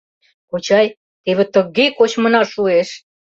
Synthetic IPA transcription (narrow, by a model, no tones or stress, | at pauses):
kot͡ɕɑj | t̪eβĕt̪ə̆ɣekot͡ɕmə̆nɑʃueʃ